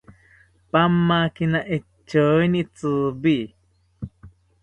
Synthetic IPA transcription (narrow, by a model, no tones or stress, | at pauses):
pamːakinaʔe | t͡ʃːoinit͡sɨbi